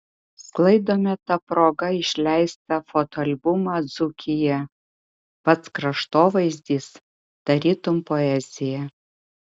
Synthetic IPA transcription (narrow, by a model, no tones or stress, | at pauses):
sklˠɐɪd̪oːmʲɛt̪ɐpɾoːɡɐɪʃʲlʲæɪst̪ɐfot̪oɐlʲbʊmɑd̪zʊkʲɪjɛ | pɐt̪skɾɐʃt̪oːʋɐɪzʲd̪ʲiːs | t̪ɐɾʲiːt̪ʊmpoɛzʲɪjɛ